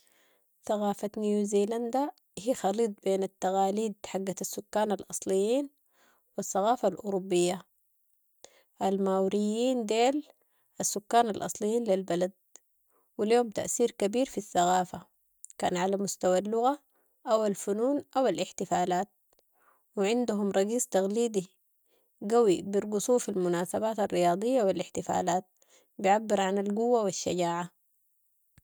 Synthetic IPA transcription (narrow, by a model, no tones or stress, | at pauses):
θaɣaːfanjuziːland̪a | hiːxɑliːt̪̚ˤbeːnat̪ːaɣaːliːd̪ħaɡːaasːʊkːaːnalʔɑsˤlijːiːn | waθːaɣaːfalʔʊ̰ɾubːijːa | ʔalmaːwɾijːiːnd̪eːl | ʔasːʊkːaːnalʔɑ̰sˤlijːiːnlilbalad̪̚ | wiljoːmt̪a̰ʔθiːɾkabiːɾfiθːaɣaːfa | ka̰ːnʕalamʊst̪awalːʊɣa | ʔawalfunuːnʔawalʔɪħt̪ɪfaːlaːt̪̚ | wɪʕɪnd̪uɦumɾˤɑɡiːst̪aɣliːd̪i | ɡawibiɾɡʊsˤuːfalmʊnaːsabaːt̪arːijɑːd̪ˤɨjːawilɪħt̪ɪfa̰ːlaːt̪̚ | bijʕabːɪɾʕanalɡuwːawiʃːa̰ɟaːʕa